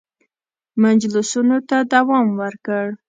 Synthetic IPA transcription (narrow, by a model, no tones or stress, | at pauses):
mand͡ʒlʊsunot̪ad̪awɑmwəɾkəɽ